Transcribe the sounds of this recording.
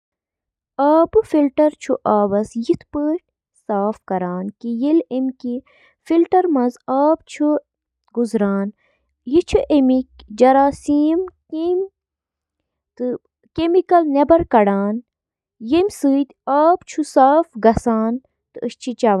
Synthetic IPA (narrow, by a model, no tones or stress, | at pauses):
aːbɨfilʈɐɾt͡ʃʰuʔaːʋɐsjit̪ʰpəːʈ̚ | saːfkɐɾaːnkijilemʲki | filʈɐɾmɐzaːb̚t͡ʃʰu | ɡuzɾaːn | jit͡ʃʰuʔemik̚d͡ʒɐɾaːsiːmkim | t̪ɨ | kemikɐlnebɐɾkɐɽaːn | jemʲsɨːt̪ʲaːbt͡ʃʰusaːfɡɐsaːn | t̪ɨəʃt͡ʃʰit͡ʃɐʋ